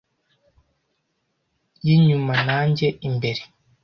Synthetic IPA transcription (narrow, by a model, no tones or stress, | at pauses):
jiɲumanaːɲɟeimbeɾi